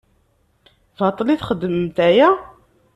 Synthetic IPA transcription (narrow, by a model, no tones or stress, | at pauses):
vɑt̪ˤliθχəd̪ːəməmt̪æjæ